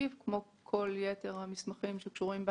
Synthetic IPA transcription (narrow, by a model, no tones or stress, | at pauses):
ivkmo̞ | kʰo̞ljete̞ʁhamismaχimʃekʃuʁimbe